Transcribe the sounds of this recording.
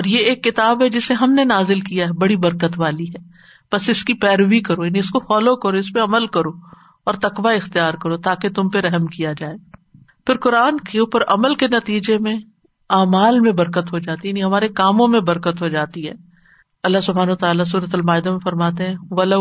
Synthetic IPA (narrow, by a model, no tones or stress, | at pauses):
ɔːɾjeeːkːɪt̪aːbɦɛd͡ʒɪseɦɐmnenaːzɪlkijaɦɛbɐɽibɐɾkət̪ʋaːliɦɛː | b̥ɐsɪskipɛːɾʋikɐɾojaːniɪskofɔːlokɐɾoɪspeɐməlkɐɾo | ɔːɾt̪ɐkʋaɪxt̪ijaːɾkɐɾot̪aːket̪ʊmpeɾɛɦmkijad͡ʒaːeː | pɪɾkʊɾaːnkeuːpəɾɐməlkenɐt̪iːd͡ʒemẽ | aːmaːlmẽbɐɾkət̪ɦod͡ʒaːt̪ijaːniɦɐmaːɾekaːmõmẽbɐɾkət̪ɦod͡ʒaːt̪iɦɛ̰ː | ɐlːaɦsʊbʱɦaːnɐɐt̪aːlas̬uːɾət̪ɐlmaːɪd̪amẽfɐɾmaːt̪eɦɛ̃ʋɐlɐ